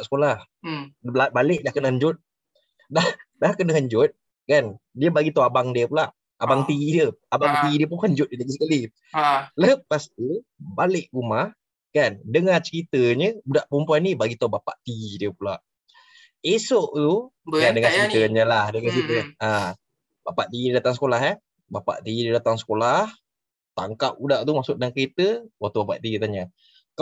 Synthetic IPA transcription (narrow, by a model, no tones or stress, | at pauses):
ʔsə̥kolah | abaləʔ̚dahkənəɦəɲd͡ʒʊt̪̚ | dahdahkənaɦəɲd͡ʒʊt̪̚ | kan | diəbaɡit̪awabaŋdiəpulaʔ | abaŋt̪iidiəabaŋt̪iidiəp̬ukaɲd͡ʒʊt̪̚dəlaɡis̬əkali | ləpast̪i | baleʔɡumah | kandəŋat͡ʃəɾit̪əɲəudaʔpəumpuanːibaɡit̪aubapa̰ʔt̪iidiəpulaʔ | esoʔt̪ukandəŋat͡ʃəkit̪əɲəlahdəŋat͡ʃəit̪əa | bapaʔt̪iididat̪aŋsə̥kolaɦa | bapa̰ʔt̪iidədat̪aŋsə̥kolah | t̪aŋkap̚udaʔt̪umasʊʔ̚dəaŋkəɾit̪əwat̪ubapaʔt̪iit̪aɲa | k